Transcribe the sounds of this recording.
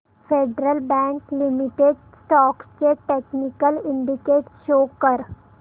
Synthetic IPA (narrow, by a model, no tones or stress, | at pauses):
fʰeːɖɾəlbɛ̃ːŋklɪmɪʈeɖ | sʈɔːkskeʈeːknɪkəlɪ̃ɳɖɪkeːʈʃoːkəɾ